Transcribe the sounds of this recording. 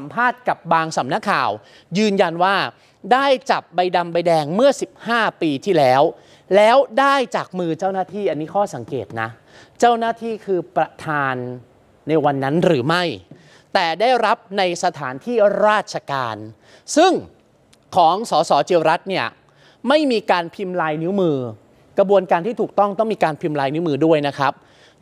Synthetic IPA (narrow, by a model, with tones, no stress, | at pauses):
sa˩˦mpʰaː˥˩t̪̚ka˨˩p̚baː˧ŋsa˩˦mna˦˥kʰːa̰ː˨˩w | jɯː˧nja˧nwaː˥˩ | daː˥˩jt͡ɕa˨˩p̚ba˧jda˧mba˧jdɛː˧ŋmɯ˥˩ɐsi˨˩p̚haː˥˩piː˧t̪ʰiː˥˩lɛː˦˥w | lɛː˦˥wdaː˥˩jt͡ɕaː˨˩k̚mɯː˧t͡ɕaː˥˩wnaː˥˩t̪ʰiː˥˩ʔa˧nːiː˦˥kʰɔː˥˩sa˩˦ŋkḛː˨˩t̪̚na̰˦˥ | t͡ɕaː˥˩wnaː˥˩t̪ʰiː˥˩kʰɯː˧pɾa˧t̪ʰaː˧nː | a˧jwa˧nːa˦˥nɾɯː˩˦ma˥˩j | t̪ɛː˨˩daː˥˩jɾa˦˥p̚na˧jsa˧t̪ʰaː˩˦nt̪ʰiː˥˩ɾaː˥˩t̪̚t͡ɕʰa˧kaː˧n | sɯ˥˩ŋ | kʰɔː˩˦ŋsɔː˩˦sɔː˩˦t͡ɕi˧əwɾa˦˥t̪̚ni˥˩ɐ | ma˥˩jmiː˧kaː˧npʰi˧mlaː˧jni˦˥wmɯː˧ | kɾa˧bu˧ənkaː˧nt̪ʰiː˥˩t̪ʰuː˨˩t̪ɔ˥˩ŋt̪ɔ˥˩ŋmiː˧kaː˧npʰi˧mlaː˧jni˦˥mɯː˧du˥˩əjna˦˥kʰa˦˥p̚